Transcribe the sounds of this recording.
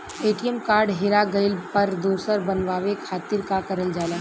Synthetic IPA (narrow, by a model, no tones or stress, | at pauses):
eːʈijəmkaːɾɖɦeɾaɡɐɪlpɐɾd̪oːsəɾbɐnʋaːʋekʰaːt̪ɪɾkakɐɾəld͡ʒaːlaː